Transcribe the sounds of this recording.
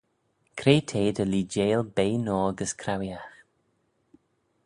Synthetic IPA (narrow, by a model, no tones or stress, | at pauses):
kʰɾeːtʰeːd̪əliːd͡ʒeːlbeːnɔːɡəskʰɾawjax